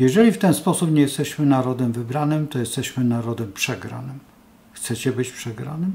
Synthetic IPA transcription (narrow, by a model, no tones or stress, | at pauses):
jɛʐɛlʲift̪ɛnspɔsupɲɛjɛst̪ɛɕmɘnaɾɔd̪ɛmvɘbɾanɘmt̪ɔjɛst̪ɛɕmɘnaɾɔd̪ɛmpʂɛɡɾa̰nɘm | xt̪sɛt͡ɕɛbɘt͡ɕpʂɛɡɾa̰nɘm